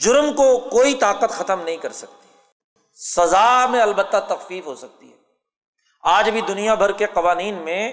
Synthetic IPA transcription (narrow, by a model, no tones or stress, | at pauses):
d͡ʒʊɾmkokoːit̪aːqət̪xɐt̪əmnɐɦĩkɐɾsɐk̚t̪i̥ɛ | sɐzaːmẽɐlbət̪ːat̪ɐxfiːfɦosɐk̚t̪iɦɛː | aːd͡ʒbʱid̪ʊnijabʱɐɾkeqɐʋaːniːnmẽ